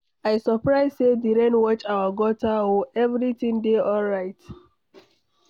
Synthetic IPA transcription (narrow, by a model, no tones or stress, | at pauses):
aɪsɔpɹaɪzsediɾɛ̃nwɔt͡ʃawaɡɔtaoɛvɾitĩŋdeɔlɹaɪt